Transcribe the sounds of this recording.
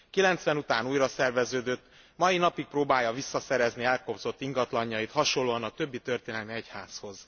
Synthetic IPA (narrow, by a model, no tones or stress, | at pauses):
kilɛnt̪sʋɛnut̪aːnuːjrɒsɛrvɛzøːd̪øt̪ː | mɒjinɒpik̚proːbaːjːɒvisːɒsɛɾɛzniɛlkobz̥o̞t̪ːiŋɡɒt̪lɒɲːɒjit̪hɒʃo̞lːoːɒnɒt̪ø̞bːit̪ø̞rt̪eːnɛlmiɛchaːsho̞z̥